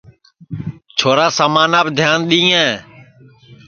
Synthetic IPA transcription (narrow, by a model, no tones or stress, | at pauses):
t͡ʃʰoːɾaːsaːmaːnaːbd̪ʱjaːnɗ̪ĩːjãː